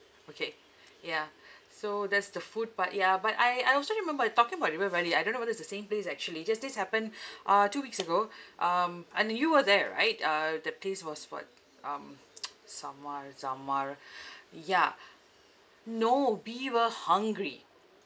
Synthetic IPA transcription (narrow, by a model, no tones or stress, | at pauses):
okʰe | jasod̪ɛtsd̪əfud̚pat̚jabata̰ɪaɪjɔlsoɹimɛ̃mbətɔkɪ̃ŋəbaʊtt̚wɛɹɛliaɪdõnːowɔdɛsdəsẽmplesɛk̚t͡ʃuəlid͡ʒasdɪshɛpə̃nʔʌtuwiksəɡoʔʌmɛ̃njuwədɛɹa̰ɪtʌd̪əpʰleswɔswɔ̰t̚ | ʔʌ̃m | saməɹsamaɹ | ja | nowiwəhãŋɡɹi